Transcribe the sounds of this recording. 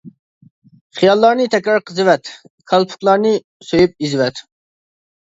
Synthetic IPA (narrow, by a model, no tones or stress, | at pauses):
χijɑlˠːɑɾnɨt̪ʰɛkʲɾɑɾqʰəzɨwɛt̪ | kʰɑlˠpʰʊ̥k̪lˠɑɾnɨ | søjyp̚izɪwɛt̪